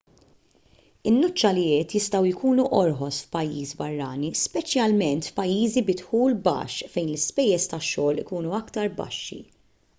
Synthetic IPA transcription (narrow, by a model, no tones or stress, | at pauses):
ɪnːɔt͡ʃːɐlɪɛːt̪jɪst̪ɐwɪkuːnuʔɔɾħɔsfpɐjːḭːzbɐrːɐːnispɛt͡ʃjɐlmɛnt̪fpɐjːiːzibɪt̪ħuːlbɐ̰ːʃfɛjnlɪspɛjːɛst̪ɐʃːɔːlɪkuːnuɐkt̪ɐɾbɐ̰ʃːḭ